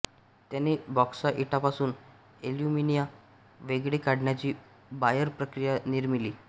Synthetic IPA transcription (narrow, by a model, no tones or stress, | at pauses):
t̪janebɔksaʔiʈapasuːn | eljuminija | ʋeɡɭekaɽɳjat͡ɕiː | bajəɾpɾəkɾijaniɾmiliː